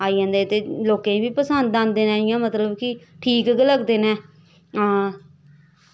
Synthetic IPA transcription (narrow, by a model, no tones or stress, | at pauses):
aːiːãːnd̪eːt̪eːloːkẽːbiːpəsənd̪ãnd̪d̪eːnɛ̃ːɪjãːmət̪ləbkɪ | ʈʰiːkɡləɡd̪eːnɛ̃ː